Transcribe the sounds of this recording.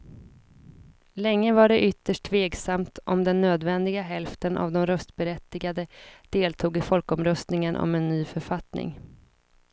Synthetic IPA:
lɛŋːəvaɖɛʔʏt̪ːəʂʈʰveːksamt̪ʔɔmd̪ɛnːøːd̪vɛnd̪ɪɡaɦɛlft̪ənʔa̰vd̪ɔmɾœst̪bɛɾɛt̪ːɪɡad̪əd̪̥eːlt̪ʰuːɡɪfɔlkɔmɾœst̪nɪŋənʔɔ̰mɛnːyːfœɾfat̪nɪ̰ŋ

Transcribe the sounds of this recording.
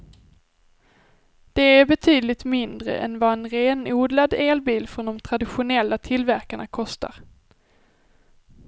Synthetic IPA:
d̪̥ɛæɾbɛt̪ʰyːd̪lɪt̪mɪnd̪ɾə̰ʔɛ̰nvaɛnɾeːnuːd̪lad̪eːlbiːlfɾɔnd̪ɔmt̪ʰɾad̪ɪɧʊnɛlːat̪ʰɪlvæɾkaɳakʰɔst̪a̰ɾ

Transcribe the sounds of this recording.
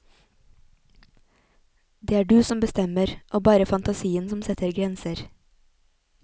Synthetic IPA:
d̪eːæːɖʉːsɔmbəst̪ɛməɾʔoːbɑːɾəfɑnt̪ɑsiːənsɔmsɛt̪ʰəɾɡɾɛnsəɾ

